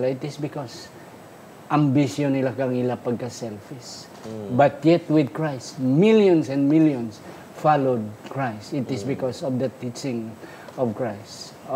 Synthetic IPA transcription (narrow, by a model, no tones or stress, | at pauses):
laɪt̪ɪsbɪkos | ʔãmbiʃjõnɪlakaŋilapaɡ̚kasɛlfis | bat̪jɛt̪wɪd̪̚kɹajst̪miljɔ̃nsɛ̃nd̪miljɔ̃ns | falod̪̚kɹajst̪ɪt̪ɪsbɪkosɔvd̪ɐt̪it͡ʃɪ̃ŋ | ɔvkɹajst